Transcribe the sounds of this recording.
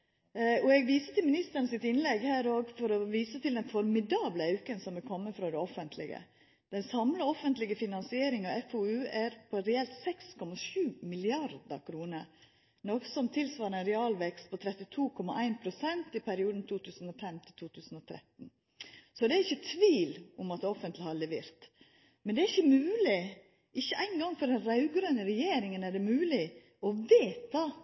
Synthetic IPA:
ɔɛɡʋiːsət̪ʰɪlmɪnɪst̪əɾnəsɪt̪ɪnlɛɡhæːɾoːɡfɔɾɔʋiːsət̪ʰɪld̪ɛnfɔɾmɪd̪ɑːbləɑʉkənsɔmʋɪlkʰɔmːəfɾɑd̪ɛɔfənt̪ʰlɪ̰ɡə̰ | d̪̥ɛnsɑmləɔfənt̪lɪɡəfɪnɑnsɪeːɾɪŋɑɛfoːʉːæɾpʰɔɾɛɛlt̪sɛkskʰɔmɑʂʉːmɪlɪɑɾd̪ə̰kʰɾuːnəɾ | nɔksɔmt̪ʰɪlsʋɑːɾəɛnɾɛɑːlʋɛkst̪̚pʰɔt̪ʰɾɛt̪ːɪt̪ʰuːkʰɔmɑʔæɪnpʰɾʊsɛnt̪ɪpʰæɾɪuːd̪n̩t̪ʰuːt̪ʰʉːsn̩ɔfɛmt̪ʰɪlt̪ʰuːt̪ʰʉːsn̩ɔt̪ʰɾɛ̰t̪n̩ | sɔd̪ɛːɾɪçːət̪ʰʋiːlʊmɑt̪ɔfːənt̪lɪhɑɾɭɛʋeːɾt̪ | mɛnd̪ɛæɾɪçːəmʉːlɪ | ʔɪçːəʔæɪnɡɑŋːfɔɾd̪ɛnɾɑʉɡɾœnəɾɛjeːɾɪŋənæɖɛmʉːlɪ | ɔʋeːt̪ɑ

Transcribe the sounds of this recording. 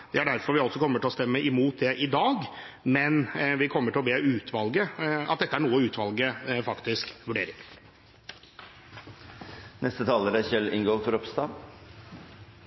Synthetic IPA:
d̪̥ɛæɖæɾfɔɾʋɪɔlsɔkʰɔmːəʈʰɪlɔst̪ɛmːəʔɪmuːt̪̚d̪ɛʔɪd̪ɑːɡ | mɛnʋɪkʰɔmːəʈʰɪlɔbeːʉːt̪ʰʋɑlɡəɑ̰t̪̚d̪ɛt̪ːəæɳuːəʉːt̪ʰʋɑlɡəfɑkt̪ɪskʋʉɖeːɾɪ̰ŋ | nɛst̪ət̪ʰɑːləɾæçɛlɪŋɡot̪ʰʊɾɔpst̪ɑː

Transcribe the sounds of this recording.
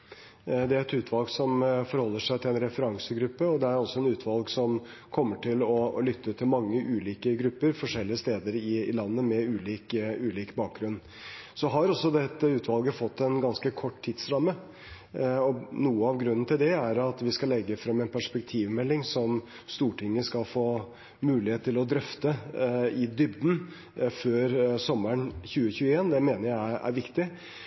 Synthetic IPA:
d̪ɛɛt̪ʉːt̪ʰʋɑlɡsɔmfɔɾhɔlːəʂæɪt̪ʰɪlɛnɾɛfəɾɑŋsəɡɾʉpːəɔd̪ɛæɾɔsːɔɛnʉːt̪ʰʋɑlɡsɔm | kʰɔmːəʈʰɪlɔlʏt̪ʰːət̪ʰɪlmɑŋːəʔʉːliːkəɡɾʉpːəɾfɔʂɛlːɪəst̪eːd̪əɾɪlɑnːəmɛʉːliːkʉːliːkbɑːk̚ɡɾʉnː | sɔɦɑɾɔsːɔd̪ɛt̪ːəʉːt̪ʰʋɑlˠɡəfɔt̪ːɛnɡɑnskəkʰɔʈːt̪ʰːɪd̪sɾɑmːə | ɔnuːəɑʋɡɾʉnən̩t̪ʰɪld̪ɛæɾɑt̪ʋɪskɑlɛɡːəfɾɛmːɛnpʰæʂpɛk̚t̪ʰiːʋmɛlːɪŋsɔm | st̪uːʈʰɪŋːəskɑlfoː | mʉːlɪheːt̪ʰːɪlɔd̪ɾœft̪əɪd̪ʏbd̪n̩ | føːɾsɔmːəɳçʉːəçʉːəeːnd̪ɛmeːnəjæɪæ̰ɾʋɪkt̪ɪ

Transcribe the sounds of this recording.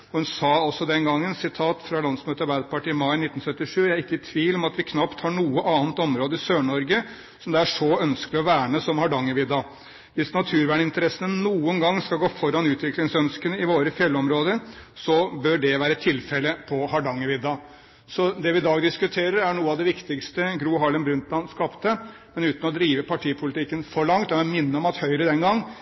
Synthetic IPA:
ɔhʉnsɑːɔsːɔd̪ɛnɡɑŋːənsɪt̪ʰɑːt̪fɾɑlɑnsmøːt̪əɑɾbæɪd̪əpɑʈiɪmɑɪnɪt̪ːn̩sœt̪ːɪʂʉːjæɪɾɪkːəɪt̪ʰʋiːlɔmɑt̪ʋɪkʰnɑpt̪hɑːɳuːəʔɑːnt̪ɔmɾoːd̪əɪsøːɳɔɾɡə | sɔmd̪ɛæʂɔœnskəlɪɔʋæːɳəsɔmhɑɖɑŋːəʋɪd̪ːɑ | ʋɪsnɑt̪ʰʉːɾʋæːɳəɪnt̪əɾɛsənənuːənɡɑŋːskɑlɡoːfɔɾɑnʉːt̪ʰʋɪklɪŋsœnskənəɪʋoːɾəfjɛlːɔmɾoːd̪əɾsɔbœɖɛʋæːɾət̪ʰɪlfɛləpʰɔhɑɖɑŋːəʋɪd̪ːɑ | sɔd̪ɛʋɪɪd̪ɑːɡd̪ɪskʉt̪ʰeːɾəɾæɳuːəɑʋd̪ɛʋɪkt̪ɪkst̪əɡɾuːɦɑɭənbɾʉnt̪lɑnskɑpt̪ə | mɛnʉːt̪n̩ɔd̪ɾiːʋəpʰɑʈʰiːəpʰʊlɪt̪ɪkːənfɔɭɑŋt̪ɛʋɛmɪnːəɔmɑt̪hœʏɾəd̪ɛnɡɑŋː

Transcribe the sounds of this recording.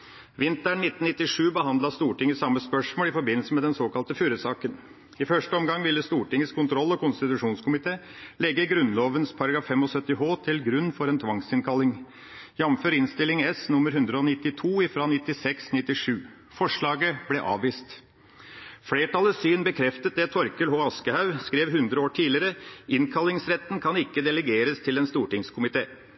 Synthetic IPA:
ʋɪnt̪əɳnɪt̪ːnnɪt̪ːɪʂʉːbəɦɑnd̪lɑst̪uːʈɪŋːəsɑmːəspœʂmoːlɪfɔɾbɪnlsəmɛd̪ɛnsoːkɑlt̪əfyːɾəsɑːkən | ɪfœʂʈəɔmɡɑŋʋɪlːəst̪uːʈɪŋːəskʰʊnt̪ʰɾɔlːɔkʊnst̪ɪt̪ʉʂuːnskʰʊmɪt̪ʰeː | lɛɡːəɡɾʉnloːʋənspʰɑɾɑɡɾɑːfːɛmɔsœt̪ːɪɦoːt̪ʰɪlɡɾʉnːfɔɾɛnt̪ʰʋɑŋsɪnkʰɑlːɪŋ | jɑmføːɾɪnst̪ɪlɪŋɛsnʊmːəɾɦʉnd̪ɾəɔnɪt̪ːɪt̪ʰuːɪfɾɑːnɪt̪ːɪsɛksnɪt̪ːɪʂʉː | fɔʂɭɑːɡəblɛʔɑ̰ːʋʋiːst̪ | fleːʈʰɑləsyːnbəkʰɾɛft̪ət̪̚d̪ɛt̪ʰɔɾkəlɦoːɑskəhɑʉskɾeːʋhʉnd̪ɾəoːʈʰiːlɪəɾəɪnkʰɑlːɪŋsɾɛt̪ːən̩kʰɑnɪkːəd̪ɛləɡeːɾəst̪ʰɪlɛnst̪uːʈɪŋskʰʊmɪt̪ʰeː

